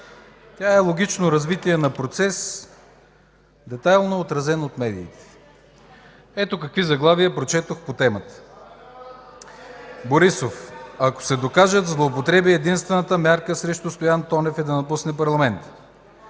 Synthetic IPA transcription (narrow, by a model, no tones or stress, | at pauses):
t̪ʲjaɛlˠoɡ̟it͡ʃnoɾɐzvit̪iɛnɐpɾot̪sɛs | d̪ɛt̪ajlˠnoːt̪ɾɐzɛnot̪mɛd̪iːt̪ɛ̥ | ɛt̪okɐkvizɐɡlˠavijəpɾot͡ʃɛt̪oxpot̪ɛmət̪ə̥ | boɾisofɐko̥sɛd̪okaʒəzlˠoːpot̪ɾɛbiɛd̪inst̪vɛnət̪əmʲjaɾkəsɾɛʃt̪ʊst̪ojant̪ɔnɛfɛd̪ɐnɐpusnɛpɐɾlˠɐmɛnt̪ə̥